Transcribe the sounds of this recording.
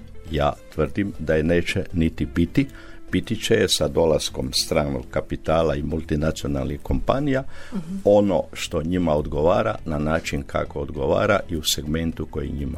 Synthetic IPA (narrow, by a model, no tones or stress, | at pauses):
ja̰ːt̪ʋr̩d̪imd̪ajene̞ːt͡ʃenit̪ibit̪i | bit̪it͡ʃejesad̪o̞lasko̞mst̪ɾaːno̰ɡ̚kapit̪aːlaimulˠt̪inat̪sio̞na̰lnixko̞mpa̰nijao̞no̞̰ʃt̪o̞ɲimaod̪ɡo̞ʋaːɾa̰nanaːt͡ʃinkʰa̰ko̞od̪ɡo̞ʋa̰ːɾaʔiuseɡme̞nt̪uko̞jḭɲima̰